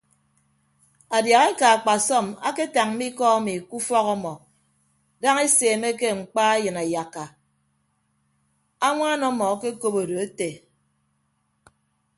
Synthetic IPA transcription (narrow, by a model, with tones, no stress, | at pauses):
a˨dja˨ɣe˦ka˨a˨k͡pa˨sɔ˦˨ma̰˦ke˦ta˨ŋ̩˦mi˦kɔ˦a˦mi˨ku˦fɔ˦ɣɔ˦mɔ˨ | da˦ŋe˦seː˨me˦ke˦ŋ͡m̩˨k͡pa˦e˦jɨ˨na˨ja˨kːa˨ | a˦ŋʷa˦nɔ˦mɔ˨˦ke˦ko˦bo˨do˨e˦te˨